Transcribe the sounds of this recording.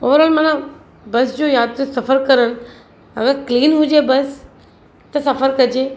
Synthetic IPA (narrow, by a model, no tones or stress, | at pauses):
o̰ːʋəɾɔːlmãːnã | bɐsd͡ʑoːjaːd̪ɾsɐfəɾkɐɾənɪ̆ | ɐ̰ɡəɾkliːnɦʊd͡ʑebɐs | t̪ɐsɐfəɾkɐd͡ʑeː